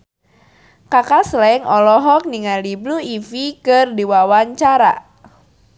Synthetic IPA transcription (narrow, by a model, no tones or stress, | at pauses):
kakaslɛŋɔlɔɦɔk̚niŋalibluifikɨrdiwawaɲt͡ʃaɾa̰